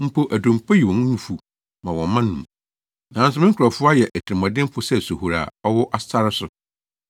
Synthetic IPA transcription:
m̩˦pʰo˦ʔæ˨dõ˨m˨pʰa˦ji˨wɔ̃˨ñ˦nũ˨fu˨ | mã˨wɔ̃˨˦mã˦nũ˨m | nã˨˦s̬ʊ˦mɪ̃˦ŋ˦kʰʊ˨ɾɔ˨fʊ˦a˦jɛ˨ʔɛ˨tʰɪ˨ɪ˨mɔ̃˨dɪ̃˦m˦fʊ˦sɛ˦˨su˨hu˨ɾa̰˨ɔ˦wʊ˦ʔa˦ssa˦ɾɪ˦sʊ˨

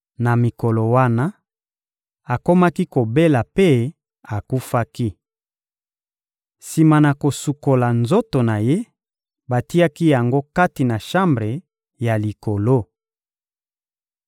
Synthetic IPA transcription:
na˨mi˨ko˨lo˨wa˦na˦ | a˨ko˦ma˦ki˦ko˨be˦la˨pe˦ | a˨ku˦fa˦ki˦ | si˨ma˨na˨ko˨su˨ko˨la˨nzo˦to˨na˨je˦ | ba˨ti˦a˦ki˦ja˨ŋɡo˦ka˦ti˨na˨ʃa˦mbʁe˨ | ja˨li˨ko˨lo˦

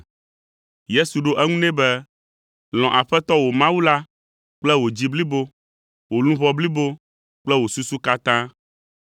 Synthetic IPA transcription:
je˦su˨ɖo˦ʔɛ˦ŋũ˦nɛ̃˦bɛ˦ | l̃ɔ̃˨ʔa˨ɸɛ˦t̪ɔ˦wo˨mã˦wu˦la˦ | k͡plɛ˦wo˨d͡ʑi˦bli˦bo˦ | wo˨lũ˦βɔ˦bli˦bo˦ | k͡plɛ˦wo˨su˦su˦ka˦t̪ã˦

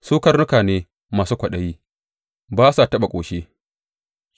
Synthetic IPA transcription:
suː˦kɐ˦rnʊ˦kaː˨neː˦ | maː˨suː˦kʷɐ˨ɗɐ˦jiː˦ | baː˦sa˨tɐ˦ɓa˨kʷʼoː˨ʃe˦

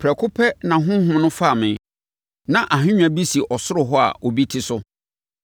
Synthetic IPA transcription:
pʰɾɛ˨kʰʊ˦pʰɛ˦nã˨ɦʊ̃˦ɦʊ̃˦m˦nʊ̃˦fa˦˨mɪ̃˨ | nã˨ʔa˨ɦɪ̃˦ɲᶣ˦a˨bi˦si˨ʔɔ˨sʊ˦ɾʊ˨ɦɔ˦a̰˨ɔ˨bi˦tʰi˦sʊ˦

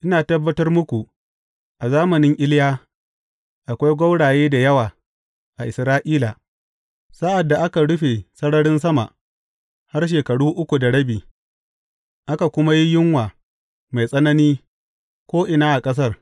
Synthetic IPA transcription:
ʔɪ˦naː˨tɐ˦bːɐ˦tɐ˦rmʊ˦kʷu˨ | ʔa˨zaː˦mɐ˨nɪ˦ŋʔɪ˦ljaː˦ | ʔa˨kʷa˦jɡʷɐ˦wɽaː˨jeː˦da˨jɐ˦waː˨ | ʔa˨ʔɪ˨sɾaː˦ʔiː˦la˨ | sa˦ʔa˨dːa˨ʔa˦ka˨ɽʊ˦ɸe˨sɐ˦ɽɐ˦ɽɪ˦ns̬ɐ˦ma̰˨ʔ | ha˦rʃ̬eː˨kɐ˨ɽuː˦ʔʊ˦kʷu˨da˨ɽɐ˦biː˨ | ʔa˦ka˨kʷʊ˦ma˦ji˦jɪ˦ŋwaː˨ | ma˨jsʼɐ˦nɐ˦niː˦ | kʷoː˦ʔɪ˨naː˦ʔa˨kʼɐ˦s̬ɐ˦r

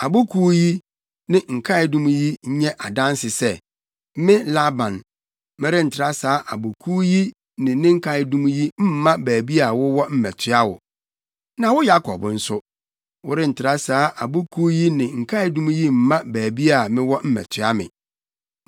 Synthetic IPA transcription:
a˨bʊ˦kʰuː˦ji˦ | nɪ̃˨ŋ̩˨kʰa˦ɪ˨dũ˦m̃˦ji˦ɲ̩˦ɲɛ̃˦ʔa˨dã˦n˦sɪ˨sɛ˦ | m̩˦mɪ̃˦la˦bã˨n | mɪ̃˦ɾɪ˦n̩˨tʰɪ˨ɾa˦saː˨˦ʔa˨bo˨kʰu˦ji˦ | nɪ̃˨˦nɪ̃˦ŋ̩˦kʰa˦ɪ˦dũ˦m̃˦ji˦m̩˦mã˦bæː˨bi˦a˨wʊ˦wɔ˦m̩˦mɛ˨tʰɪ˦a˦wʊ̰˨ | nã˨wʊ˦ja˦kʰɔ̰˨bn̩˦sʊ˦ | wʊ˦ɾɪ˦n̩˨tʰɪ˨ɾa˦saː˦ʔa˨bo˦kʰu˦ji˦nɪ̃˨ŋ̩˨kʰa˦ɪ˨dũ˦mũ˦ji˦m̩˦mã˦bæː˨bi˦a˨mɪ̃˦wɔ˦m̩˦mɛ̰˨tʰɪ˨a˦mɪ̰̃˨

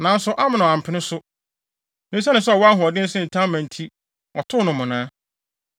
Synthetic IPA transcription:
nã˨n̩˦sʊ˦ʔa˦mɪ̃˨nʊ̃˨ã˨m˨pʰɪ˨˦nɪ̃˦sʊ˦ | nɪ̃˦sɛ˦nɪ̃˨sɛ˦˨wɔ˦a˦ɦʊ̃˨ɔ˨dɪ̃˦n̩˦sɪ̃˦n̩˨tʰã˦mã˨n˨tʰi˦ | ɔ˨tʰʊ˦nʊ̃˨mʊ̃˨nãː˦

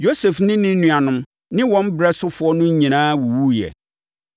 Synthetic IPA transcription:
jo˦sɛ˨fnɪ̃˦nɪ̃˦nũ˨a˨nʊ̃˨˦m | nɪ̃˦wɔ̃˦m˦bɾɛ˦sʊ˦fʊ˨˦ɔ˦nʊ̃˦ɲĩ˨nãː˦wu˨wu˦jɛ̰˨

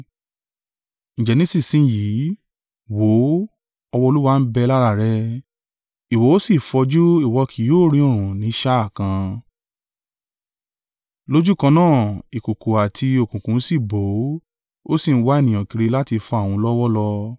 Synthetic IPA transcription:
ñ̩˨d͡ʒɛ˨nĩ˦si˦˨sĩ˧˦˨ji˨˦ | wo˨˦ | ɔ˧wɔ˧o˧lu˦wa˧n̩˦bɛ˧la˦ɾa˧˨ɾɛ˧ | i˨wɔ˨˦o˦si˦˨fɔ˧d͡ʒu˦i˦˨wɔ˧kʰi˨joː˦˨ɾ̃ĩ˧õ˦˨ũ˨nĩ˨˦ʃa˦a˦˨kã˧ | lo˦d͡ʒu˦˨kã˧nãː˦˨i˨ko˨ko˨a˨tʰi˧o˨kũ˨kũ˨˦si˦˨bo˨˦ | o˦si˦˨n̩˦wa˧˦e˦˨nĩ˨j̃ã˨ki˨˧ɾe˧la˦ti˧fɔ˧a˦˨w̃ũ˧˦lɔ˦wɔ˦lɔ˧

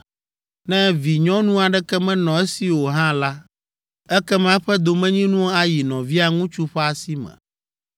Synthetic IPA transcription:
nɛ̃˦vi˨ɲɔ̃˦nũ˦a˨ɖɛ˦kɛ˦mɛ̃˦nɔ̃˨ɛ˦si˨wo˨ɦã˦la˦ | ɛ˦kɛ˦mã˦ɸɛ˦d̪o˨mɛ̃˦ɲĩ˦nũ˦o˦a˦ji˨nɔ̃˨vi˦a˦ŋũ˦t͡ʃu˦ɸɛ˦a˨si˦mɛ̰̃˨

